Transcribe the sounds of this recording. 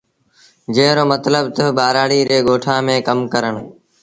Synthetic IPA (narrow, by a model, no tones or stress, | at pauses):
d͡ʒeːɾoːmət̪ləbt̪əɓaːɾaːɽiːɾeːɡoːʈʰãːmẽːkəmkəɾəɳ